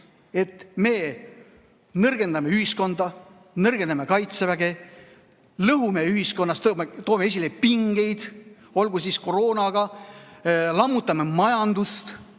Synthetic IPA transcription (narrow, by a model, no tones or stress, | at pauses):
e̞t̪ːme̞ː | nɤrɡ̥e̞nd̪ɑmeyhisko̞nd̪̥ɑ | nɤrɡ̥e̞nd̪ɑme̞kɑjt̪sevæɡe̞ | lɤɦume̞yɦisko̞nːɑst̪met̪o̞ːmee̞s̬ʲilepiŋɡ̥e̞jd̪̥ | o̞lɡusisko̞ro̞ːnɑɡ̥ɑ | lɑmːut̪ˑːɑme̞mɑjɑnd̪̥ust̪